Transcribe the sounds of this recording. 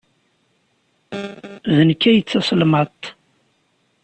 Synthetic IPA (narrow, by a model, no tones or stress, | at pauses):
ðənkːæjət͡sːɑslmɑt̪ˤ